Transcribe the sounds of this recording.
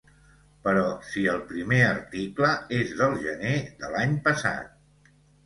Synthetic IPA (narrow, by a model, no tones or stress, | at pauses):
pəɾɔsiəlˠpɾimeərt̪ikləezðəlˠʒəneðəlaɲpəsa̰t̪̚